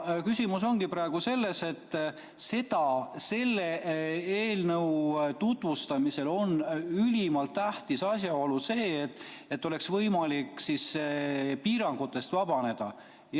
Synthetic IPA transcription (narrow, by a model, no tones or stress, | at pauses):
kysʲimuso̞ŋɡ̥ipɾɑe̞ɡ̥use̞lːe̞se̞t̪ː | se̞t̪ɑse̞lːeeːlnɤwt̪ut̪vust̪ɑmise̞lo̞nylimɑlt̪ːæht̪isɑsʲjɑo̞luse̞ːt̪ːet̪ːo̞le̞ksvɤjmɑlikːsis | piːɾɑŋɡ̥ut̪ːˑe̞st̪vɑb̥ɑne̞d̪̥ɑ̰ | j